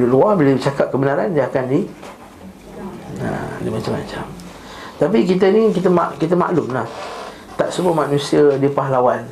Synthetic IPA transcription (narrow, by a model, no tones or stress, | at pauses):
lʊʔluahbilat͡ʃakap̚kəbənaɾand͡ʒakandi | a̰dimat͡ʃamːa̰t͡ʃa̰m | t̪ap̬ik̬it̪̬ənikit̪̬əma̰kit̪̬əma̰ʔlumlah | t̪aʔsəbʊmaʔnũsiədipaɦlawan